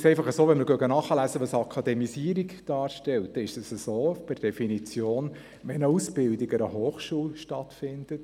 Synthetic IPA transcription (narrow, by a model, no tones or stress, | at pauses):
sɛɪfɑχəsoːʋɛnməɾɡœɡənɑχəlæsəʋɑsɑkʰɑd̪ɛmisiəɾikd̥ɑːɾʃtɛlt̚dɛɪʃdəsəsoːb̥ɪɾd̥ɛfinit͡sjoːn | ʋɛnəusb̥ɪldiɡəɾəɦoːχʃuːlʃtɑt̪fɪnd̥̪ət